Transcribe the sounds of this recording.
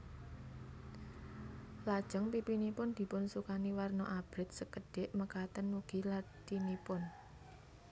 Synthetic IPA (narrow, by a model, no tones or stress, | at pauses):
lad̥ʒ̥ə̤ŋpipinipʊnd̪̥i̤pʊnsukaniwarnɔʔab̥ɾɪt̪̚səkəɖ̥ɪʔməkat̪ənwuɡ̥ilad͡ʒinipʊn